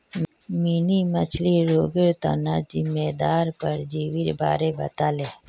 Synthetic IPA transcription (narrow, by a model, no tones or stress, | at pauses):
minimət͡ʃʰliɾoːɡəɾt̪a̰nad͡ʒɪmːeːd̪aːɾpəɾd͡ʒiːʋɪɾba̰ːɾebə̰t̪aːleː